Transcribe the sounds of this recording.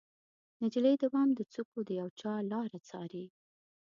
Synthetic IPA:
nad͡ʒiləjd̪awɑmd̪ət͡sukod̪əjawt͡ʃɑlɑɾat͡sɑ̰ɾi

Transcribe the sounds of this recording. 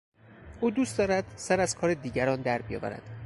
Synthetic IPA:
ʔuːd̪uːst̪d̪ɒːɾæd̪̥sæɾæz̥kʰɒːɾed̪iːɟæɾɒːnd̪æɾbijɒ̰ːvæ̰ɾæ̰d̪̥

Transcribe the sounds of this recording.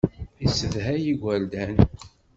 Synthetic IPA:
isəðɦæjiɡʷæld̪æn

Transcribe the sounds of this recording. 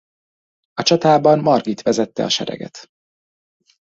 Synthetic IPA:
ɒt͡ʃɒt̪aːbɒmmɒrɡit̪ʋɛzɛt̪ːɛ̰ɒʃɛɾɛ̰ɡɛ̰t̪

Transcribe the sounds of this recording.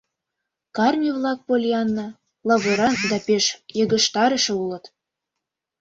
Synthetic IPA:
kɑrmʲivlˠɑk̚polʲjɑnːɤ̆ | lˠɑβɤɾɑd̪ɑpeʃjɤ̆ɣə̆ʃt̪ɑɾə̆ʃɤ̆ulɤ̆t̪

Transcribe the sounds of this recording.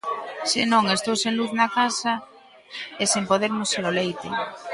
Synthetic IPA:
sɪnõŋest̪owsẽŋluθnakasa | esempoðeɾmʊseɾolejt̪ɪ̰

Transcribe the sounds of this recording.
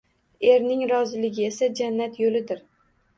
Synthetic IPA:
e̞ɾnɪŋɾɒzɪlɪɡʲɪe̞sad͡ʒanːat̪jolɪd̪ɪɾ

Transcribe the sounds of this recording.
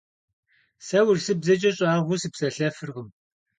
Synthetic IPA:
sɐwʊrsɨbzɐt͡ʃʼɐɕʼaːʁʷusipsɐɬɐfɨrʁəm

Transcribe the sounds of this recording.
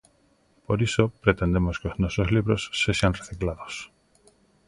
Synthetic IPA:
poɾisopɾet̪end̪emoskeoznɔsozliβɾosːeʃanreθiklaðos

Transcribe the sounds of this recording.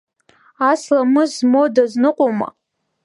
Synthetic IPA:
aslamɨzmodaznɨqʷʼoma̰

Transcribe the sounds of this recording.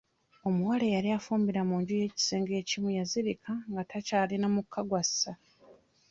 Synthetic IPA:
o̞muwalejaɾiafuːmbiɾamuːɲɟuje̞ːci̥se̞ːŋɡe̞ːcimujaziɾikʰaŋɡatacaːlinamukʰːaɡwasa

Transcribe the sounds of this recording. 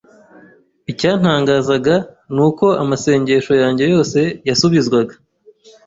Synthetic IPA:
icaːn̥aːŋɡaːzaɡa | nuːko̞amase̞ːɲɟe̞ʃo̞jaːɲɟe̞jo̞ːse̞jasuβizɡwaɡa

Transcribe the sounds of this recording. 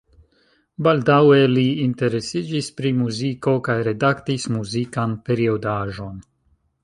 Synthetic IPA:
balʲd̪aweliːnt̪eɾesid͡ʒispɾimuzikokajɾed̪akt̪ismuzikanpeɾiod̪aːʒon

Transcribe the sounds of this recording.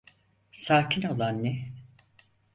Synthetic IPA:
saːcʰino̞lˠanːɛ

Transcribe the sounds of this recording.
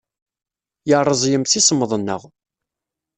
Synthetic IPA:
jəɾˤːəzˤjəmθisəmːəðˤənːə̰ʁ

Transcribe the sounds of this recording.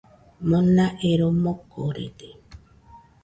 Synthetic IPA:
monaʔeɾomokoɾḛt̪e

